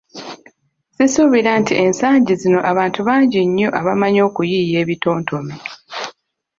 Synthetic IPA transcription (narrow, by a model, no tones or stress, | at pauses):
sisuβiɾantiʔe̞nsaːɲɟizino̞ʔaβaːntuβaːɲɟiɲːoʔaβamaɲo̞ːkujiːje̞ːβito̞ːntʰomi